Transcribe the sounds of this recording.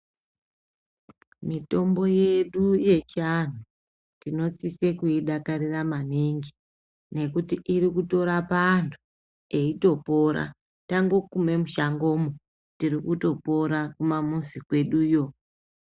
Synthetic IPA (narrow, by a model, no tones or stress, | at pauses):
mito̞mbo̞je̞ɗuje̞t͡ʃian̤u | tino̞t͡sise̞kuiɗakariramaneŋɡi | ne̞kutiʔiɾikuto̞ɾapaːntʰu̥ | e̞ito̞po̞ɾa̰ | taŋɡo̞kume̞muʃaŋɡo̞mo | tirikuto̞po̞ɾakumamunzikwe̞ɗuːjo̞